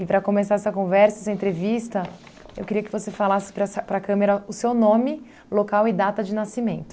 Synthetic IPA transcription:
ɪpɾɐkõmesaɾɛsɐkõvɛɾsɐɛsɐẽnt̪ɾevist̪ɐ | ewkɪɾiɐkɪvosefalasɪ̥pɾɐsɐpɾɐkɐ̃meɾɐʊsewnõmɪ | lokawɪd̪at̪ɐd͡ʒɪnasimẽnt̪ʊ

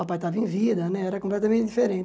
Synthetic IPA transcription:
apajt̪avɐẽvid̪ɐnɛɛɾɐkõmplɛt̪ɐmẽnt̪ɪd̪ifeɾẽt̪

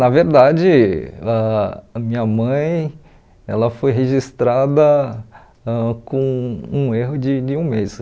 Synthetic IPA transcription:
nɐveɾd̪ad͡ʒɪamĩɲɐmɐ̃j̃ | ɛ̰lɐfojɦeʒist̪ɾad̪ɐ | akõũeɦʊd͡ʒɪd͡ʒɪũmes

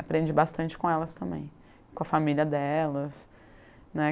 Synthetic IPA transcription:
apɾẽd͡ʒɪbast̪ɐ̃nt͡ʃɪ̥kõɛlɐst̪ɐ̃mbḛ̃j̃ | kõɐfamiliɐd̪ɛlɐs | nɛ

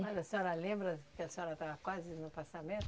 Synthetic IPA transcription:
mazɐseɔɾɐlẽmbɾɐkɪɐseɔɾɐt̪akwazɪnʊpasamẽnt̪

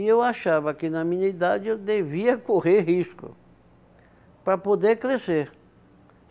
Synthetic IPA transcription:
ewaʃavɐkɪnɐmĩɲɐid̪ad͡ʒed̪eviɐkoheɾhiskʊ̰ | pɾɐpod̪eɾkɾeseɾ

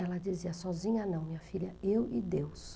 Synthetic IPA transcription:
ɛlɐd͡ʒiziɐsɔzĩɲɐnɐ̃w̃mĩɲɐfiʎɐewʔɪd̪ews

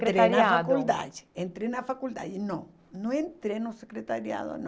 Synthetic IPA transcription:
keɾeaɾnaaadkuld̪a̰d͡ʒɪ̥ẽnt̪ɾenafakuld̪a̰d͡ʒɪnɐ̃ | nõẽnt̪ɾenosekɾet̪aɾja̰ðo̰ñ

